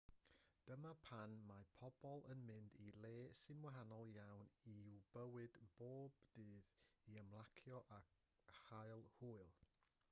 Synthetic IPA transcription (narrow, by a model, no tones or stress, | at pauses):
d̥əmapʰanmapʰɔb̥ɔlˠənmɨndilˠeːsɨnwaɦanɔlˠjawniubəwɨdb̥oːb̥dɨːðiəmlˠakʰjɔʔa | hajlˠhuːɨlˠ